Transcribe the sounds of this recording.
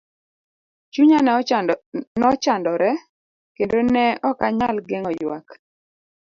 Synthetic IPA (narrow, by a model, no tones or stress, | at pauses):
t͡ʃuɲa | nɔt͡ʃandɔɾɛ | kendonɛɔkaɲalɡeŋɔjwa̰k